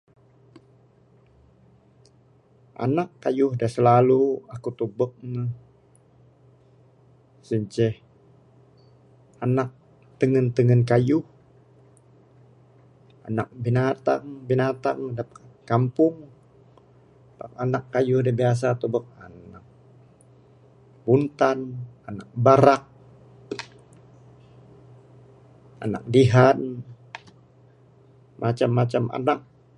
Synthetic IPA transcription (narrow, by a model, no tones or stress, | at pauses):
ʔa̰nakːajʊhdasəlaluakut̪ubək̚nəh | səɲt͡ʃɛh | anak̚ | t̪əŋənt̪əŋənkajʊh | a̰nak̚binat̪a̰ŋbinat̪aŋdap̚kampʊŋ | ba̰k̚anakːajʊhdabias̬at̪ubək̚anak̚ | bunt̪ananak̚baɾak̚ | a̰na̰k̚diɦan | mʔat͡ʃamːat͡ʃamʔa̰nak̚